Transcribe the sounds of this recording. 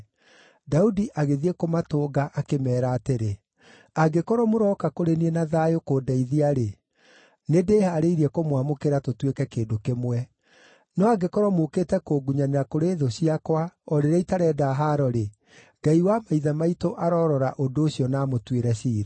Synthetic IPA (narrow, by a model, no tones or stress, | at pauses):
daudiʔaɣeðiekomatoːɡaʔakemɛːɾaːteɾe | aɡekɔɾɔmoɾɔkakoɾeniɛnaðaːjokoːdaiðiaɾe | nedeːhaːɾeiɾiɛkomwamokeɾatotwekɛkeːndokemwɛ | nɔaɡekɔɾɔmoketɛkoɡuɲaneakoɾeːðoɕiakwaɔɾeɾɛitaɾɛːdaɦaɾɔɾe | ɡ̥aiwamaiðamaitoʔaɾɔɾɔɾaʔondoːɕjɔnamotweɾɛɕiːɾa